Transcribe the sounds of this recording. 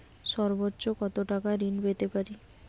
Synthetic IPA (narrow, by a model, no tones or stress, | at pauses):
ʃɔɾbotːɕokɔt̪oʈakaɾinbet̪epaɾi